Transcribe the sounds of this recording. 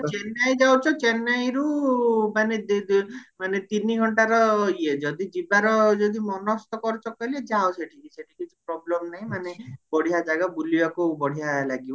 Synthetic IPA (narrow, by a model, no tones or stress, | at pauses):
t͡ʃenajd͡ʒawt͡ʃʰɔt͡ʃenajɾumanedmanet̪iniɡʱɔɳʈaɾɔied͡ʒɔd̪id͡ʒibaɾɔd͡ʒɔd̪imɔnɔst̪ɔkɔɾit͡ʃʰɔkɔiled͡ʒaɔseʈʰikiseʈʰikit͡ʃʰi̥pɾɔblɔmnaɦĩmanebɔɽ̤ijad͡ʒaɡabulibakubɔɽ̤ijalaɡibɔ